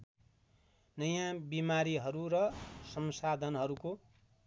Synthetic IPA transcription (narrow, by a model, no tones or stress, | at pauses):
nʌjãbimaɾiɦʌɾuɾʌsʌmsad̪ʱʌnɦʌɾuko